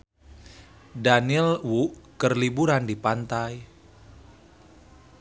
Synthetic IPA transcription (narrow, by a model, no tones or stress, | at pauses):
danɪlwuʔkərlibuɾandipant̪aj